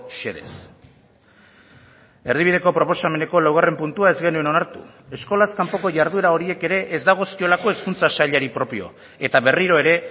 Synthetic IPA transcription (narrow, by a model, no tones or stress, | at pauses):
ʃeðe̞̰s | e̞ɾðiβiðe̞ko̞pɾo̞po̞same̞ne̞ko̞lawɣare̞mpunt̪uae̞zɡe̞nue̞no̞naɾt̪ṵ | e̞sko̞laskampo̞ko̞ʝaɾðue̞ɾao̞ɾie̞ke̞ɾe̞ʔezd̪aɣ̞o̞skio̞lako̞e̞skunt͡sasaʎaɾipɾo̞pio̞̰ | e̞t̪aβe̞riɾo̞e̞ɾe̞